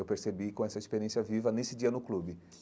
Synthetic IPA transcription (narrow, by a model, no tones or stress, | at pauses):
ewpeɾsebikõɛsɐispeɾiẽsijɐvivɐnesɪd͡ʒiɐnʊklubɪ